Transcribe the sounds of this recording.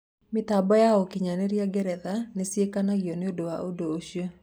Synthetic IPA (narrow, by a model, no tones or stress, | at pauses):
mɪt̪abɔjaɔkɪɲaneɾjaɡɛɾɛðanesjekanaɡjoneodowaʔodooʃjo